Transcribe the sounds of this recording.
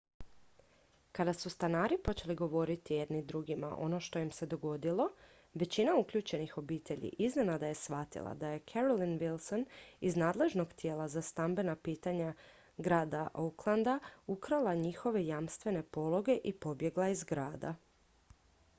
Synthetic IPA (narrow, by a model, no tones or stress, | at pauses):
kad̪asust̪anaːɾipo̞t͡ɕe̞liɡo̞ʋo̞ɾit̪ije̞d̪nid̪ɾuɡima̰ʔo̞̰no̞ʃt̪o̞jimse̞d̪o̞ɡo̞d̪ilˠo̞ | ʋe̞t͡ɕinaukʎuːt͡ɕe̞nixo̞biːt̪e̞ʎḭʔizne̞nad̪aje̞sʋat̪ḭlˠa̰d̪aje̞kʰeɾolinʋilˠso̞niznaːd̪le̞ʒno̞ɡt̪je̞ːlˠazast̪ambe̞napiːt̪aɲa | ɡɾaːd̪aʔouklˠand̪aukɾalˠaɲixo̞ʋe̞jamst̪ʋe̞ne̞po̞lˠo̞ɡe̞ʔipo̞bje̞ɡlˠaizɡɾaːd̪a̰